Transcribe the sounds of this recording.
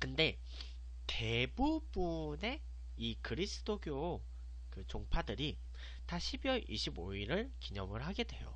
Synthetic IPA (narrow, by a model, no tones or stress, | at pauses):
kɯnde̞ | te̞bubune̞ | ikɯɾisʰɯ̥dʰoɡjo | kɯt͡ɕoŋpʰadɯɾi | taɕʰibiwʌɾʔḭɕʰiboiɾɯɭkiɲʌmɯɭɦaɡe̞dwe̞̰jo̰